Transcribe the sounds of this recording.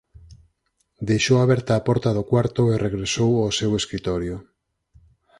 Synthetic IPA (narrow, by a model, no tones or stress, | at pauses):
d̪ejʃowaβɛɾt̪aːpɔɾt̪aðokwaɾt̪ʊerʔeɣɾesowaseweskɾit̪ɔɾjʊ